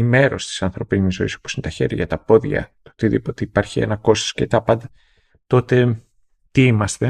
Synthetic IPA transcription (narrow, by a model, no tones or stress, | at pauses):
ime̞ɾo̞st̪i̥sɐnθɾo̞pinizo̞iso̞̥posinet̪ɐçe̞̰ɾʝɐ̰ɐt̪ɐpo̞ðʝɐ̰t̪ot̪iðipot̪eipɐɾçiḛnɐko̞st̪oscet̪ɐpɐnd̪ɐ | t̪o̞t̪e̞ | t̪iimɐst̪e̞